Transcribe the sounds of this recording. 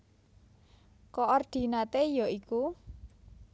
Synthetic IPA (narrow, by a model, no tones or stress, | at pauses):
kɔʔɔrd̪̥i̤nat̪ejɔiku